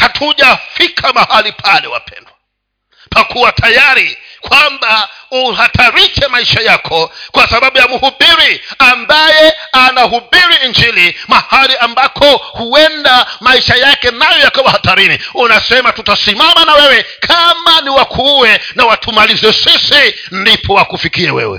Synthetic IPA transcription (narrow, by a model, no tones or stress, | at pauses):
hatʰuʄafikʰamahalipʰalɛ̰wa̰pɛ̰nda | pakuwatʰajaɾikwambauhatʰaɾiʃɛmaiʃajakʰɔkwasaɓaɓujamuhuɓiɾiambajɛanahuɓiɾiːnd͡ʒilimahaliambakʰɔhuɛndamaiʃajakɛnajɔjakawahataɾiniunasɛmatutasimamanawɛwɛkʰamaniwakʰuwɛnawatʰumalizɛsisi | ndipʰɔwakufikiɛwɛ̰wɛ̰